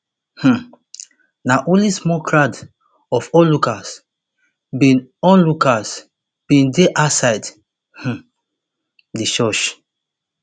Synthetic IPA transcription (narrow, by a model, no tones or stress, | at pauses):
h̩ | naʔõlismɔkɹad | ɔfɔlukas | bĩnɔ̃nlukas | b̥ĩndeʔasaɪd | h̩ | diʃɔʃ